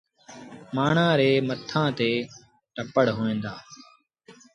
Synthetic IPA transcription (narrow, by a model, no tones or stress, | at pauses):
maːɳãːɾeːmət̪ʰːãːt̪eː | ʈəpəɽɦoːẽːnd̪aː